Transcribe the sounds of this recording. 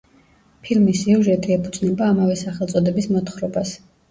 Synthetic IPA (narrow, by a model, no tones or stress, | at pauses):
pʰilmisiuʒɛt̪ʼiɛpʰud̪znɛbaːmavɛsaχɛlˠt̪sʼɔd̪ɛbismɔt̪χɾɔbas